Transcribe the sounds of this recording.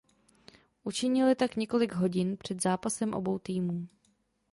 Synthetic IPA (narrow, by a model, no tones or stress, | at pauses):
ʔut͡ʃɪɲɪlɪt̪akɲɛko̞lɪɡɦo̞ɟɪnpr̝̥ɛd̪zaːpasɛmʔo̞̰bo̞wt̪iːmuː